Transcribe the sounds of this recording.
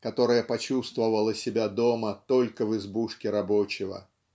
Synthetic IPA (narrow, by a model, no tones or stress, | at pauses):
kɐt̪o̞ɾəjəpɐt͡ɕust̪vəvəlˠəsʲɪbʲad̪o̞mət̪o̞lʲkəvɨzbuʂkʲɪɾɐbot͡ɕɪvə̰